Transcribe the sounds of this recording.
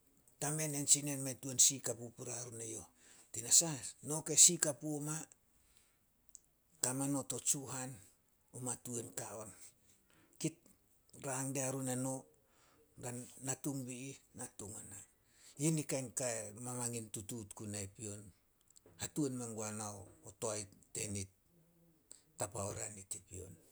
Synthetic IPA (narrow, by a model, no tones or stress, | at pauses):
tame̞nensinenmetuensikapupuɾaɾunejo̞ | tinasano̞kesikapuoma | kamano̞to̞t͡ʃuɦan | umatuenkao̞n | kit̚ | ɾaŋdeaɾuneno | daːatuŋbiinatuŋana | jinikajnkaemamaŋintututkunaipio̞n | hatuenmaŋɡuanaootoajte̞nit | apaoɾa̰nitipio̞̰n